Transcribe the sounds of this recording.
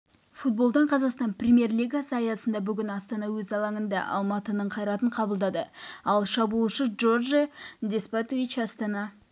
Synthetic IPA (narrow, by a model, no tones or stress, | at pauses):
fut̪̚bo̞lˠd̪əɴqʰɑzɑqst̪ɑnprʲemʲje̞rlijɡasəɑjɑsənd̪ɑbʏɡʲɪnɑst̪ɑnɑwɵzɑlˠɑŋənd̪ɑ̰ʔɑ̰lˠmɑt̪ənəɴqʰɑjɾɑt̪əɴqʰɑbəlˠd̪ɑd̪əɑlˠʃɑbulˠʃəʒo̞rʒd̪espat̪it͡ʃɑst̪ɑnɑ